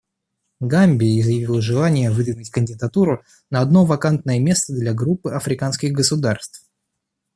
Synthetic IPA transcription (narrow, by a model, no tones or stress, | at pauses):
ɡamʲbʲɪɪzjɪvʲilˠʐɨlˠanʲɪjəvɨd̪vʲɪnɨtʲkənʲdʲɪd̪ɐt̪uɾʊ | nɐɐd̪novɐkant̪̚nəjəmʲe̞st̪əd̪lʲaɡɾupːɨɐfɾʲɪkanskʲɪɣɡəsʊd̪arst̪f